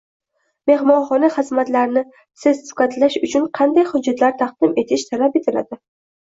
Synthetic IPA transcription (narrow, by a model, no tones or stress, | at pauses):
me̞hmɒnχɒnaχɨzmat̪laɾnɪ | sɪzsʊ̥kat̪laʃʊt͡ʃʰʊɴqʰɑnd̪ajχʊd͡ʒːat̪ʰlaɾt̪ʰɑq̚d̪̥ɪme̞t̪ʰɪʃt̪ʰalape̞t̪ʰɪla̰d̪ɪ